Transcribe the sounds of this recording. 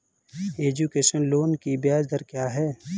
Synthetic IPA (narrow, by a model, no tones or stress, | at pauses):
eːd͡ʒukeːʃənloːnkibjaːzd̪əɾkjaːɦɛː